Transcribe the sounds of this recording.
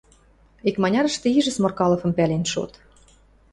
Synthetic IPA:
ikmɑnʲɑɾə̆ʃt̪ĕiʒə̆smorkɑlˠɤ̆fɤ̆mpælʲenʃo̰t̪

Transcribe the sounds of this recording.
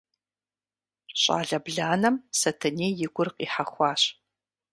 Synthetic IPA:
ɕʼa̰ːɮɐbɮaːnɐmsɐtʰɐneːjɪɡʷʊrqiːħaχʷɑːɕ

